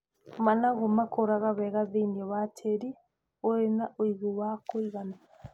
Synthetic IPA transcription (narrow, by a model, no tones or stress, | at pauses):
manaɣomakoɾaɣaβɛɣaðeiniɔβatʰeɾi | oɾenaʔoiɣuwakoiɣana